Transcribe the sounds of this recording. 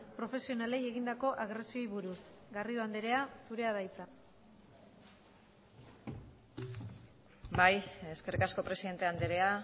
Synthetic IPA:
pɾo̞fe̞sio̞nale̞je̞ɣind̪ako̞ʔaɣɾe̞sio̞jβuɾusɡariðoand̪e̞ɾe̞asuɾe̞aðajt͡sa | baje̞ske̞rikasko̞pɾe̞siðe̞nt̪e̞and̪eɾe̞a

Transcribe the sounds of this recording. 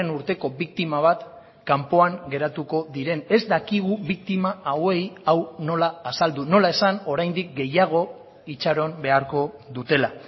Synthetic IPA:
enuɾt̪e̞ko̞βik̚t̪imaβ̞at̪ | kampo̞aŋɡe̞ɾat̪uko̞ðiɾe̞ne̞zd̪akiɣ̞uβik̚t̪imaawe̞jawno̞laːsald̪uno̞lae̞sano̞ɾajnd̪ik̚ɡe̞jaɣ̞o̞ | it͡ʃaɾo̞mbe̞aɾko̞ðut̪e̞la

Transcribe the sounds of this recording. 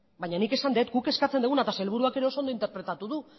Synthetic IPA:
bajɲanike̞sand̪e̞t̪ɡuke̞skat͡sed̪uɣunat̪aselβ̞uɾuake̞ɾe̞o̞so̞nd̪oint̪e̞ɾpɾe̞t̪at̪uðu

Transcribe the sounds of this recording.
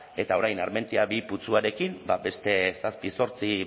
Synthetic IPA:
e̞t̪ao̞ɾajnaɾme̞nt̪iaβiput͡suaɾe̞kimbabe̞st̪e̞saspiso̞ɾt͡si

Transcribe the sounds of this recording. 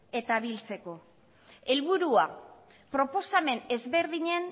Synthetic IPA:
e̞t̪aːβilt͡se̞ko̞ | e̞lβuɾua | pɾo̞po̞same̞ne̞zβe̞ɾðiɲe̞n

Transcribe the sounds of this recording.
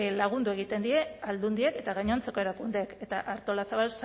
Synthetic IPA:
laɣ̞und̪ue̞ɣ̞it̪e̞nd̪ie̞ald̪und̪ieke̞t̪aɣajɲont͡se̞ko̞e̞ɾakund̪eke̞t̪aʔaɾt̪o̞lasaβals

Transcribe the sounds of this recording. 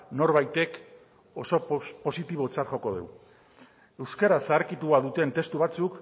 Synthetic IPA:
no̞ɾβajt̪e̞k | o̞so̞po̞sit̪iβ̞o̞t͡saɾχo̞ko̞ð̞ew | e̞wskeɾasaːɾkit̪uaðut̪e̞nt̪e̞st̪uβ̞at͡suk

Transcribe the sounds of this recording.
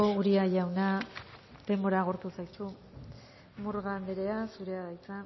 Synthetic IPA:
ouɾiaʝawna | d̪e̞mbo̞ɾaːɣ̞oɾt̪usajsu | muɾɣand̪eɾe̞asuɾe̞aðajt͡sa

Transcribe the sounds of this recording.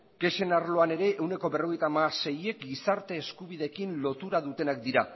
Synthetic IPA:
ke̞ʃe̞naɾlo̞ane̞ɾe̞ʔewne̞ko̞βe̞ro̞ɣ̞ejt̪amase̞je̞k̚ɡisaɾt̪e̞ːskuβiðe̞kinlo̞t̪uɾaðut̪e̞nakd̪iɾa

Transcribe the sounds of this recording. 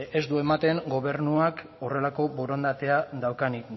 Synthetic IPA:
e̞zd̪ue̞mat̪e̞ŋɡo̞β̞e̞ɾnuak | o̞re̞lako̞bo̞ɾond̪at̪e̞aðawkani

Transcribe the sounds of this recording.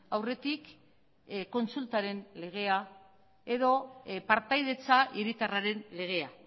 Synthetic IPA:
awre̞t̪ik | ko̞nsult̪aɾe̞nle̞ɣ̞e̞a | e̞ðo̞paɾt̪ajðe̞t͡saʔiɾit̪araɾe̞nle̞ɣ̞e̞a

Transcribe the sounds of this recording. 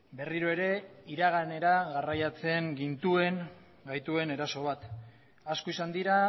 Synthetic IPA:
be̞riɾo̞e̞ɾe̞iɾaɣ̞ane̞ɾaɣarajat͡se̞ŋɡint̪ue̞ŋ | ɡajt̪ue̞ne̞ɾaso̞β̞at̪ | askoisand̪iɾa

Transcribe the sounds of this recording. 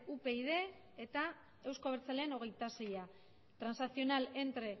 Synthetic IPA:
upe̞ið̞e̞ | et̪a | e̞wsko̞βeɾt͡saleːno̞ɣe̞jt̪ase̞ja | t̪ɾansasio̞nale̞nt̪ɾe̞

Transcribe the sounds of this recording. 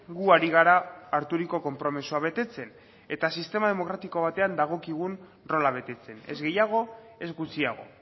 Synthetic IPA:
ɡuaɾiɣaɾaːɾt̪uɾiko̞ko̞mpɾo̞misuaβ̞e̞t̪e̞t͡se̞n | e̞t̪asist̪e̞maðe̞mo̞kɾat̪iko̞βat̪e̞and̪aɣ̞o̞kiɣ̞un | ro̞laβ̞e̞t̪e̞t͡se̞ne̞̰zɣe̞jaɣ̞o̞ | e̞zɣut͡siaɣ̞o̞̰

